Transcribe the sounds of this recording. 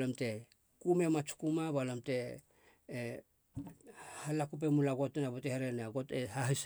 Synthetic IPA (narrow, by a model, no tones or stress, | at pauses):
lomte̞ | kume̞mat͡ʃu̥kumaβalamte̞ː | halakup̬emulaɡotnaβoteheɾenaɡo̞tehaɦis